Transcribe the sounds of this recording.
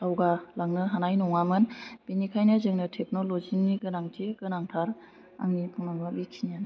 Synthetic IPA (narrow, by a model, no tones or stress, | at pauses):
tawɡalaŋnɯɦanajnɔŋamɯnb̥enikʰajnɯzɯŋnɯtʰek̚nolozimniɡɯnaŋtʰikɯnaŋtʰaɾ | a̰ŋnipʰuŋnaŋbabikʰinijan